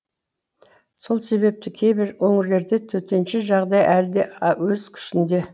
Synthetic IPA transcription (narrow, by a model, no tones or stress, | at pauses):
so̞lˠse̞βe̞p̚t̪ɪkʲʰe̞jbɪɾwɵŋɪɾle̞ɾd̪e̞t̪ʰɵt̪e̞nʃɪʒɑʁd̪ɑjʔæld̪ewɵzkʲʰʏ̥ʃɪnd̪e̞